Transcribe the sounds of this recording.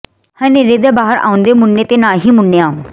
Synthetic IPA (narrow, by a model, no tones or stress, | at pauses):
hə̃neːɾeːd̪eːbaːɦəɾa̰ːʊ̃nd̪eːmʊnːeːt̪eːnaːɦiːmʊnːejãː